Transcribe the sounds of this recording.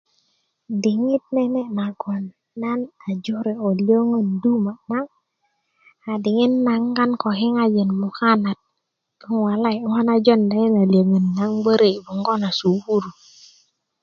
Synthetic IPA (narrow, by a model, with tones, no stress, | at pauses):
di˨ŋi˦t̚ne˦ne˦na˨ɡo˨nː | a˦na˨d͡ʒo˦ɾe˨o˨lo˦ŋə˦ndu˦ma˨na˦ | a˨di˨ŋi˦nːa˨ŋɡa˦nko˨ki˦ŋa˦d͡ʒe˨nmu˨ka˦na˨t̚ | ə˦ŋwa˨la˦jha˦na˦d͡ʒo˦˨nda˨˦ji˦na˨li˨o˨ŋə˨nːa˨˦ŋbə˦ɾe˦˨bu˨ŋɡo˦na˨su˨bu˦ɾu˨